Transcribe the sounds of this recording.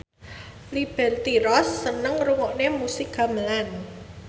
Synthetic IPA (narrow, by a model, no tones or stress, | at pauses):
lib̥ɛrt̪iɾɔsːənəŋruŋɔʔnemusɪkɡ̥a̤məlan